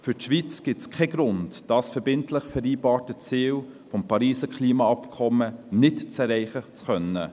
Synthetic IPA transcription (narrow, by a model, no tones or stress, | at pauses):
fʏtʃʋit͡sɡ̥ɪtskʰɛɡɾʊntd̥ɑːsfɛɾbɪntlɪχfɛɾiːbɑːɾtət͡siːl | fɔmpɑɾiːsəkʰliːmɑɑpkʰɔmənɪtt͡sɛɾɛɪχət͡skœnːə